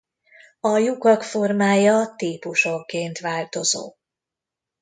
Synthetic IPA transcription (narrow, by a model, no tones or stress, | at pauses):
ɒjukɒkfo̞rmaːjɒt̪iːpuʃokeːnt̪ʋaːlt̪o̞zo̰ː